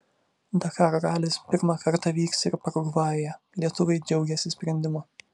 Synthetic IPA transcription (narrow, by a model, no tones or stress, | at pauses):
d̪ɐkɑːɾoɡɑːlʲɪspʲɪɾmɑkɐɾt̪ɐʋʲiːksɪɾpɐɾɡuʋɑːjɛ | lʲiɛt̪ʊʋɐɪd͡ʒʲɛʊɡʲɛsʲɪsʲpʲɾʲɛnʲd̪ʲɪmʊ